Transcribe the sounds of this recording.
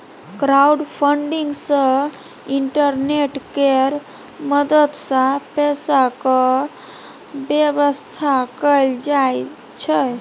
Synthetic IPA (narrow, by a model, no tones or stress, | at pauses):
kɾauɖpʰəɳɖiŋɡsə̃ | iɳʈəɾneʈkeɾ | məd̪ət̪sãpɛsakə | bjeβəst̪ʰakəjld͡ʒaj | t͡ʃʰə